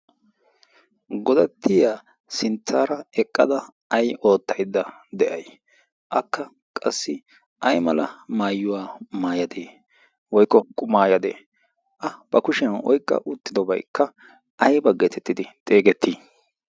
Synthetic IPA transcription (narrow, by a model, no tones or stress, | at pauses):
ɡɔd̪ɐt̪ʰːɪjaː | sɪnt͡sːaːɾɐɛkʼːɐd̪ɐ | ɐjo̞ːt̪ːɐjd̪ːɐ | d̪ɛʔɐj | ʔɐkːɐ | kʼɐsːɪ | ʔɐjmɐlɐmaːjːʊwaːmaːjɐd̪eː | wɔjkːɔkʼʊmaːjɐd̪ḛː | ʔɐb̥ɐkʊʃɪjɐnʔɔ̰jkʼːɐ̰ʔʊt̪ːɪd̪ɔbɐjkːɐ | ɐjbɐɡet̪ʰɛt̪ːɪd̪ɪt̪ʼe̞ːɡɛt̪ːiː